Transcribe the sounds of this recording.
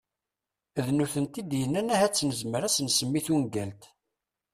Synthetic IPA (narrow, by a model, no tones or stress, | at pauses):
ðnuθənt̪id̪jənːænæhæt͡sːnəzməɾæsənsəmːiθunɡælt̪